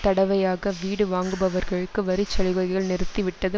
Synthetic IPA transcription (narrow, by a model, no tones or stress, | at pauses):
t̪ɐɽɐʋɐjaːɣɐʋiːɽɯʋaːŋɡɯbɐʋɐɾɣɐɭɯkːɯʋɐɾit͡ʃːɐɭɪɣɐɣɣɐɭnɪɾɯt̪ːiʋɪʈːɐðɯ